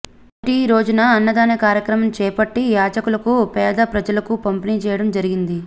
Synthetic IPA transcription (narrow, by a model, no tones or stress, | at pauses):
ʈiɾo̞ːd͡ʒunɐːnːɐd̪aːnɐkaːɾjɐkɾɐmɐmt͡ʃɛːpɐʈːijaːd͡ʒɐkulɐkupɛːd̪ɐpɾɐd͡ʒɐlɐkupɐmpiniːt͡ʃɛːjɐɽɐmd͡ʒɐɾiɡind̪i